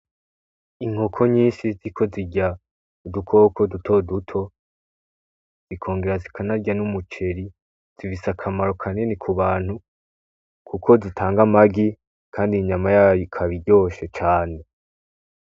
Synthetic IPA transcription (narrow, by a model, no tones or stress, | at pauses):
iŋ̥hokʰo̞ɲiːnʃiziɾikʰo̞ziɟa | udukʰo̞kʰo̞dutʰo̞dutʰo̞ | z̥ikʰo̞ːŋɡe̞ɾazikʰanaɾɟanumut͡ʃe̞ɾi | z̥ivisakʰamaɾo̞kʰaninikʰuβaːnhu | kʰukʰo̞zitʰaːŋɡamaɡi | kʰaːndiɲamajaːjokʰaβiɟo̞ːʃe̞t͡ʃaːne̞